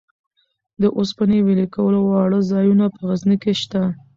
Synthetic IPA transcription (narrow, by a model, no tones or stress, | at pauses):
d̪əʔospanewelekawəlowɑɽəzɑjunapəɣaznikeʃt̪a